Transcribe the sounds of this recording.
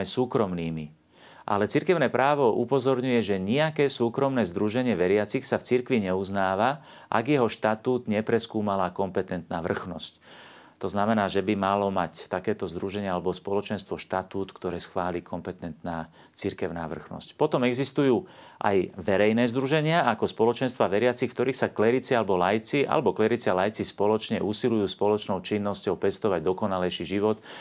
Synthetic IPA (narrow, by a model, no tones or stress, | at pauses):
ɛsuːkɾɔmniːmi | ʔa̰lɛt͡siɾkɛʊnɛːpɾaːʋɔʔupɔzɔɾɲujɛʒɛɲɛakɛːsuːkɾɔmnɛːzd̪ɾuʒɛɲɪɛʋɛɾɪat͡sixsaft͡siɾkʋiɲɛuznaːʋa | ʔa̰ɡjɛɦɔʃt̪at̪uːd̪ɲɛpɾɛskuːmalaːkɔmpɛt̪ɛnt̪naːʋr̩xnɔsc | t̪ɔznamɛnaːʒɛbimalɔmact̪akɛːt̪ɔzd̪ɾuʒɛɲɪaalɛbɔspɔlɔt͡ʃɛnst̪ʋɔʃt̪at̪uːt̪kt̪ɔɾɛːsxʋaːlikʰɔmpɛt̪ɛnt̪naː | t͡siɾkɛʊnaːʋr̩xnɔ̰scpɔt̪ɔmɛɡzist̪ujuːʔa̰jʋɛɾɛjnɛːzd̪ɾuʒɛɲɪaakɔspɔlɔt͡ʃɛnst̪ʋaːʋɛɾɪat͡sixft̪ɔɾiːxsaklɛɾit͡sialɛbɔlajt͡siʔa̰lɛbɔklɛɾit͡sɪalajt͡sispɔlɔt͡ʃɲɛʔusilujuːspɔlɔt͡ʃnɔʊt͡ʃinːɔscɔʊpɛst̪ɔʋaɟd̪ɔkɔnalɛjʃiʒiʋɔt̪